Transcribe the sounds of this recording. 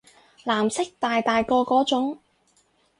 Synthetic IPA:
laː˨˩msɪ˥k̚t̪aː˨jt̪aː˨jkɔː˧kɔː˨˥t͡ʃʊ˨˥ŋ

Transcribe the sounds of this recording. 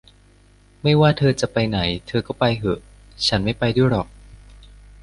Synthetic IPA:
ma˥˩jwaː˥˩t̪ʰɤː˧t͡ɕa˨˩ʔpa˧jna˩˦jt̪ʰɤː˧kɔː˥˩pa˧jɦɤ˩ʔ | t͡ɕʰa˦˥nma˥˩jpa˧jduː˥˩jɾɔ˨˩k̚

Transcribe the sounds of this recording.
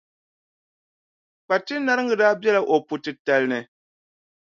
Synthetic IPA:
k͡pa˨tɨ˦na˦ɾɨ˦ŋɡɨ˨daː˦bjɛ˦la˨ʔo˨pu˨tɨ˨ta˨lnɨ˨

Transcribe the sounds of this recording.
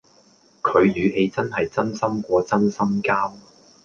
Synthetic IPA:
kʰɵ˨˧ɥjyː˨˧ɦe˨˧jt͡sɐ˥nɦɐ˨jt͡sɐ˥nsɐ˥mkʷɔː˧t͡sɐ˥nsɐ˥mkaː˥w

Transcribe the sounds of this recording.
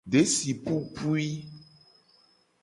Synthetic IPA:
ɖe˦si˨pu˦pu˦i˦

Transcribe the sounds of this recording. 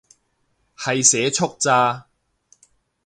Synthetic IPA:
hɐ˨jsɛː˨˥t͡sʰʊ˥k̚t͡saː˧

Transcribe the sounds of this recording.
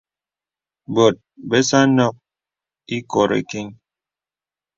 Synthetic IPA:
bo˨t̚be˦sa˦nɔ˦˨k̚ | i˦ko˨ɾḛ˨ki˦ŋ

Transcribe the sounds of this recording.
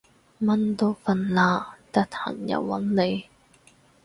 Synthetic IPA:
mɐ˥nt̪o˥wfɐ˧nlaː˧t̪ɐ˥t̪̚hɐ̰˨˩njɐ̰˨˩wːɐ˨˥nle˨˧j

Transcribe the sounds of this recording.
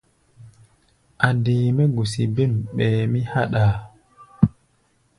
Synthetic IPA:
ʔa˨diːmɛ˦ɡu˨si˨bi˦mɓɛː˨mi˦ha˦ɗaː˨

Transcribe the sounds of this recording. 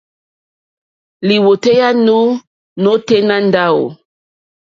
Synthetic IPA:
li˨wo˨te˦ja˦nu˦ | no˦te˦na˦nda˦wo̰˨

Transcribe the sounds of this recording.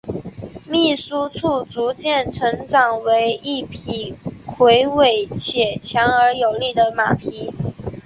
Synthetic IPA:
mi˥˩su˥t͡sʰu˥˩t͡su˧˥t͡ɕjɛ˥˩nʈ͡ʂʰɤ˧˥ŋʈ͡ʂɑ˨˩ŋwe˧˥ɪʔi˥˩pʰi˨˩kʰwe˧˥ɪwe˨˩ɪt͡ɕʰjɛ˨˩t͡ɕʰjɑ˧˥ŋə˞˧˥jo˨˩ʊli˥˩d̪ə˩ma̰˨˩pʰi˧˥

